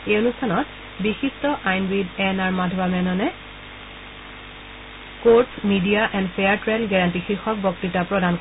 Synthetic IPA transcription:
ejonustʰanɔt | bixistɔʔajnbidɛnaɹmadʱbamɛnɔnɛ | koɹtsmidijaʔɛndpʰejaɹtɹɛnɡɛɹantixixɔk̚bjɔk̚titapɹɔdank

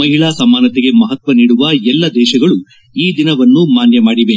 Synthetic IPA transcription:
ɐɦiɭaːsɐmaːnɐt̪eɡe̞mɐɦɐt̪ʋɐniːɽuʋɐɛlːɐd̪ɛːʃɐɡɐɭu | iːd̪inɐʋɐnːumaːnjɐmaːɽiʋe

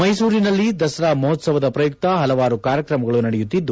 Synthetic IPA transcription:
mɐjsuːɾinɐlːid̪ɐsɐɾaːmɐɦɔt̪sɐʋɐd̪ɐpɾɐjuk̚t̪ɐɦɐlɐʋaːɾukaːɾjɐkɾɐmɐɡɐɭunɐɽɛjut̪ːid̪ːu

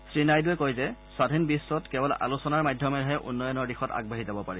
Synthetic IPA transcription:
sɹinajduɛkɔjzɛsadʱinbisːɔtkɛbɔla̰lusɔnaɹmajdʱjɔmɛɹɦɛʔṵnːɔjɔnɔɹdixɔta̰ɡ̚baɦizabɔpaɹi

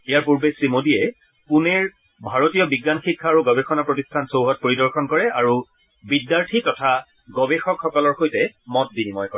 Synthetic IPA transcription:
ejaɹpuɹbesimodiɛ | punɛɹ | bʱaɹotijɔbiɡːanxikʰːaːɹuɡɔbexɔnapɹotistʰansowɦɔt̚poɹidɔɹxɔnkɔɹɛaɹu | bidːaɹtʰitɔtʰa | ɡɔbexɔkxɔkɔlɔɹxojtɛmɔt̚binimɔjkɔɹɛ

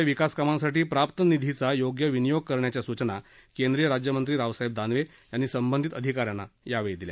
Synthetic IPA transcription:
ʋikaskamãsaʈiːpɾapt̪ənid̪ʱit͡sajoɡjəʋinijoɡ̚kəɾɳjat͡ɕjasut͡ɕna | kend̪ɾijəɾad͡ʑjəmənt̪ɾiːɾaʋsaɦeb̚d̪ʱanʋe | janːiːsəmbənd̪ʱit̪əd̪ʱikaɾjanːajaʋejd̪ilja̰

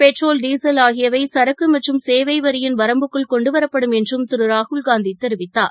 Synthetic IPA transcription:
pɛʈroːlɖiːsɐlaːɣɪjɐʋɐɪsɐɾɐkːɯmɐʈrɯmseːʋɐɪʋɐɾɪjɪnʋɐɾɐmbɯkːɯɭkɔɳɖɯʋɐɾɐpːɐɽɯmɛndrɯmt̪ɪɾɯɾaːhʊɭɡaːnd̪it̪ːɛɾɪʋɪt̪ːa̰ː

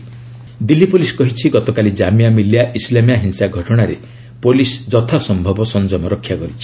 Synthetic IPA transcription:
d̪ilːipoliskɔɦit͡ʃʰiɡɔt̪ɔkalid͡ʒamiamiljaʔislamijaɦinsaɡʱɔʈɔɽ̃aɾe | polisd͡ʒɔt̪ʰasɔmbʱɔbɔsɔnd͡ʒɔmɔɾɔkʰːjaɡɔɾit͡ʃʰi̥

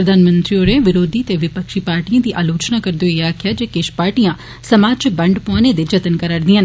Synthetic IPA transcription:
ɾəd̪aːnmə̃nt̪ɾioːɾeʋɪɾoːd̪ʱit̪eʋɪpəkʃipaːɾʈiãd̪iːʔaːloːt͡ʃnakɐɾd̪oɪaːkʰjad͡ʒeːkeʃpaːɾʈijã | sɐmaːd͡ʒt͡ʃbɐ̃ɳɖpɔːned̪ed͡ʒɐt̪ənkəɾəɽd̪iɦə̃n

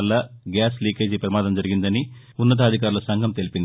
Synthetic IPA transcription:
ɐlːɐɡjaːsliːkeːd͡ʒipɾɐmaːd̪ɐmd͡ʒɐɾiɡind̪ɐni | unːɐt̪̬ɐːd̪ʱikaːɾulɐsɐŋɡʱɐmt̪elipind̪i

